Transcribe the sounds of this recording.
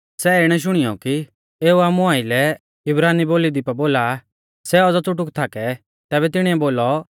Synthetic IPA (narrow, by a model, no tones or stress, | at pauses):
sɛɪɽ̃ɛʃ̬ʊɽ̃ijɔki | eːuaːmũaːilɛ | ɪbɾaːniboːlid̪ipaboːla | sɛɔd͡zɔt͡sʊʈʊkt̪ʰakɛ | t̪ɛːβɛt̪ɪɽ̃iɛboːlɔ